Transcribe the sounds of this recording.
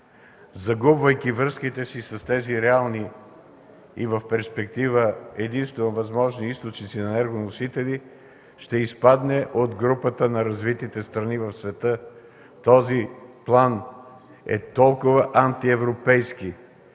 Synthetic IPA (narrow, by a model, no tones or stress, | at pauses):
zɐɡubvəjkʲivɾɤskit̪ɛsisɐst̪ɛziɾɛalˠni | ivəfpɛɾspɛk̚t̪ivəɛd̪inst̪oɐvɐzmɔʒniist̪ot͡ʃnit̪sinɐnɛɾɡonosit̪ɛli | ʃt̪ɛispad̪nɛʔod̪ɡɾupət̪ənɐɾɐzvit̪it̪ɛst̪ɾɐnivɐfsvɛt̪ɤ | t̪ɔziplˠan | ɛ̰t̪ɔlˠkʊvəʔant̪iɛvɾopɛjski